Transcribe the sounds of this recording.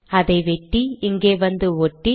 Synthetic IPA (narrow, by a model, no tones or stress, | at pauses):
ɐðɐɪʋɛʈːiɪŋɡeːʋɐnd̪ɯɔʈːi